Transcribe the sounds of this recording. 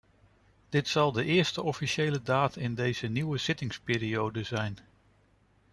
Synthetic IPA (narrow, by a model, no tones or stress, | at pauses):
d̥ɪtsɑlˠdəʔɪːɹstəʔɔfiʃejlədaːtɪndejz̥əniwəz̥ɪtɪŋspɪːɾiowdəzɛjn